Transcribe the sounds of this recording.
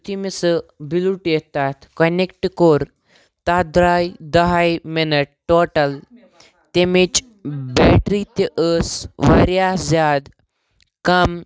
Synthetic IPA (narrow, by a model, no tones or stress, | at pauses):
t̪ʰimisəbiluʈjet̪at̪ʰkɐnekʈkoɾ | t̪ad̪ɾajd̪ɐɦajmenəʈːoʈəl | t̪emit͡ʃ | beʈɾit̪eʔəsʋɐ̰ɾjazad̪ | kɐm